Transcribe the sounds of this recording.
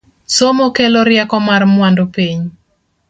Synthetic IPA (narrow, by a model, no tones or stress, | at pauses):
somokeloɾɪɛkɔmarmwandopiɲ